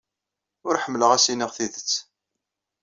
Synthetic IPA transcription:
ʊɾħəmːləʁæsiniʁθiðət͡sː

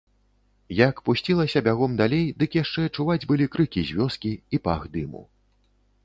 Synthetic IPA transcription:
jakpusʲt͡sʲilˠɐsʲɐbʲaɣɔmd̪alʲejd̪ɨkjaʂt͡ʂɛɐt͡ʂuvad͡zʲbɨlʲikɾɨkʲizʲvʲɔskʲiipa̰ɣd̪ɨmṵ

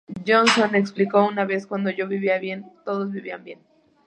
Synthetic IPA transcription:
d͡ʒonsoneksplikounaβeskwand̪oʝoβiβiaβjent̪oðozβiβiambjen

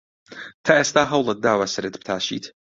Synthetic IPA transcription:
t̪ʰaːʔest̪aːɦɐwlˠɨt̪̚d̪aːwasɨɾɨt̪bt̪ʰaːʃḭːt̪ʰ

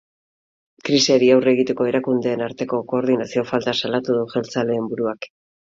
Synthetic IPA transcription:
kɾisiaɾiawre̞ɣit̪e̞ko̞e̞ɾakund̪e̞ːnaɾt̪e̞ko̞ko̞ːɾðinasio̞falt̪asalat̪uðuʝe̞lt͡sale̞ːmbuɾuak

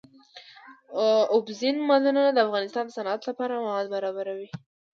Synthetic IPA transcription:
ʊbzinmalənənad̪əafɣɑnɪst̪ɑnd̪əsanat̪lapɑɾamawɑd̪baɾɑbaɾawi

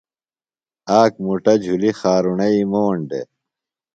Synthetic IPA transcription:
aːk̚muʈɐd͡ʑʱulixaːɾuɳɐimoːɳɖḛ

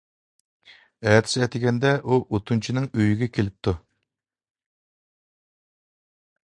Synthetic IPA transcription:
ɛːt̪ʰɪ̥sɛt̪ʰɪɡʲɛnd̪ɛʔuʔot̪ʰunt͡ʃʰinɪŋøjyɡʲɛkʲʰelɪp̚t̪ʰu

